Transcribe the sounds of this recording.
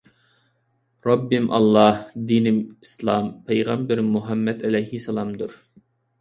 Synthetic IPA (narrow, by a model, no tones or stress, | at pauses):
ɾɑbːɪmʔɑ̰lˠːɑhd̪inɪmislˠɑmpʰejʁɑmbɪɾmuɦɛmːɛd̪ɛlɛjhisɛlˠɑmd̪uɾ